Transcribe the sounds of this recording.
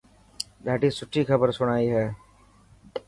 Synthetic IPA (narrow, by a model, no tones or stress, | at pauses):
d̪ɛːʈizsʊʈʰːikʰɐbəɾsʊɽ̃aːiɦɛː